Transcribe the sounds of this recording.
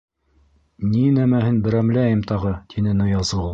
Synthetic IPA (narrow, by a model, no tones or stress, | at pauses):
ninæmæhɘnbɘ̆ɾæmlæjɘmt̪ʰɑʁɤt̪ʰinɘnɤ̆jɑzɤ